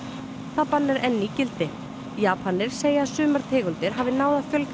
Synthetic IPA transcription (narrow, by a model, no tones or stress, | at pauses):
θapanːɪɾɛnːicɪlt̪ɪ | jaːpʰanːɪɾ̥seːjaasʏːmaɾ̥t̪ʰeːɣʏlt̪ɪɾ̥ɦaːvðɪnaːwðafjœlk